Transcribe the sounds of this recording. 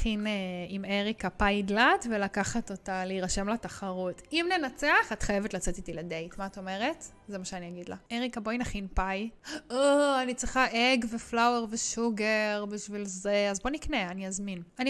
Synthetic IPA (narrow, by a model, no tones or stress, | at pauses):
χineimeʁikapajdlatvelakaχato̞taleiʁaʃe̞mlataχaʁutimne̞nat͡se̞aχatχajevetlat͡setitilede̞jtmaato̞me̞ʁe̞t | zemaʃeaniaɡidlaeʁikabojnaχinpajoanit͡sʁiχaʔeɡveflaweʁveʃuɡeʁbiʃvilzeazbo̞nikneaniazminani